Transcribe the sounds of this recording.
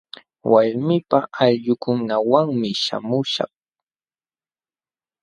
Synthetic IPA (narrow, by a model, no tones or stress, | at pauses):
waɾmɪpaʔaʎʎʊkʊnawaŋmɪʃa̰mʊʃɑ̰χ